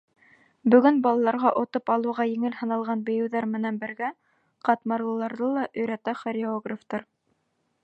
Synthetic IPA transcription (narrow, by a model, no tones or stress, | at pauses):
bɵ̆ɡɵnbɑlˠɑlˠɑɾʁɑʔŏt̪opɑlˠɤ̆wʁɑjɘ̆ŋɘlhɤ̆nɑlˠʁɑnbŏjɘ̆wðɑɾmɘ̆nænbɘ̆ɾɡæ | qɑt̪mɑɾlˠɤ̆lˠɑɾðɤlˠɑʔɵ̆jɾæt̪æχoɾʲɪoɡraft̪ɑɾ